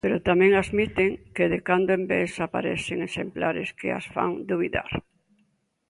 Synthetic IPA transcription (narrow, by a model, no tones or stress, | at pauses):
peɾot̪amɛ̃ŋaðmit̪eŋkɪðɪkand̪oembesapa̰ɾɛ̰θɪŋesemplaɾɪskɪ̰a̰sfa̰ŋd̪uβiða̰ɾ